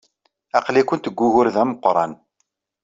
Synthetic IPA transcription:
ɑqlikʷʊnt̪əɡʷːʊʝʊɾðæməqːɾˤɑ̰n

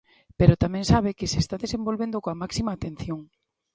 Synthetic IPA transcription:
peɾot̪amẽŋsaβ̞ekɪsest̪aðesẽmbolβend̪okoamaksimaːt̪ẽn̟θjoŋ

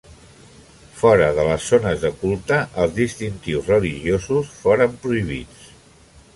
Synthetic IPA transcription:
fɔɾəðələsːonəzðəkulˠt̪əʔəlˠzðist̪int̪iwzrəliʒiozusfoɾəmpɾuiβ̞it͡s

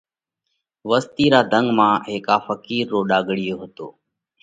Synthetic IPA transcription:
ʋəst̪iːɾaːd̪ʱəŋɡmãːɦeːkaːfəkiːɾːoːɗaːɡɽɪjoːɦət̪oː

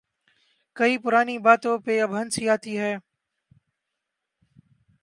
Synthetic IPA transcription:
kəiːpʊɾaːniːbaːt̪õːpeːəbʱənsiːaːt̪iːɦɛː

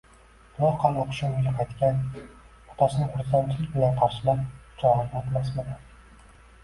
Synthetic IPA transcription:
b̥ʊlˠɒhqʰɑnoqʰʊ̥ʃɪʊɡʲaqʰɑjt̪kʲan | ɒt̪ʰasɪnɪŋχʊɾsant͡ʃʰɪlɪk̚ʲbɪlanqʰɑɾʃɪlapt͡ʃʰɒɾanʲɔt̪mas̬med̪ɪ

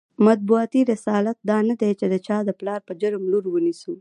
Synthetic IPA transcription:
mat̪̚buat̪iɾɪsɑlat̪̚d̪ɑnad̪et͡ʃed̪ət͡ʃɑd̪əplɑɾpəd͡ʒəɾəmluɾwənisu

